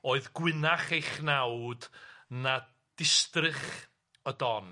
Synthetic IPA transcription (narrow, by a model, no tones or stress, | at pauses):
oːɨðɡwɪnaχejχnawdna | d̥ɪstrɨχ | ədɔn